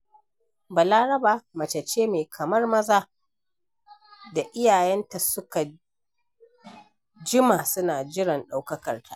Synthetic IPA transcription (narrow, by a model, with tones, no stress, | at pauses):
ba˨laː˦ɾɐ˦baː˨mɐ˨t͡ʃɐ˨t͡ʃːeː˦meː˨kʰɐ˨mɐ˦rmɐ˦zaː˦ | da˨ʔɪ˦jaː˨jɛ˦nta˨sʊ˦ka˨ | d͡ʒɪ˦maː˨sʊ˦naː˨d͡ʒɪ˦ɽɪ˨nɗa˦wkɐ˦kɐ˨rtʰa̰˨ʔ